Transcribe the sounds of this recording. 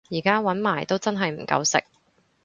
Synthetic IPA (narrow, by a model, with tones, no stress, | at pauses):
jiː˨˩kaː˥wɐ˨˥nmaː˨˩jt̪o˥wt͡sɐ˥nɦɐ˨jm̩˨˩kɐ̰˧wsɪ̰˨k̚